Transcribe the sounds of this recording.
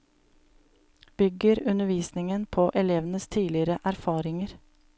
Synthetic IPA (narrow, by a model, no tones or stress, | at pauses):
b̥ʏɡəɾʉnəʋiːsnɪŋənpʰoːʔɛleːʋənəst̪ʰiːlɪɾəʔæɾfɑːɾɪŋəɾ